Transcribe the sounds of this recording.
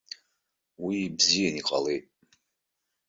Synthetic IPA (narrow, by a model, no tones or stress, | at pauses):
wibzijaniqʼa̰letʼ